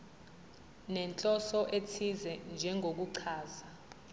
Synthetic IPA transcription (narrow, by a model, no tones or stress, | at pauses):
nɛnt͡ɬʼɔsɔʔetʰizɛnd͡ʒʱɛŋʱok̬uǀʰaːza